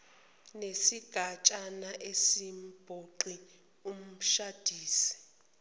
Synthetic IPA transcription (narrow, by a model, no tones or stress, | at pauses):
nesiɡ̥ʱat͡ʃʼanaʔesim̩b̥ʱoǃi | um̩ʃad̥ʱiːsi̥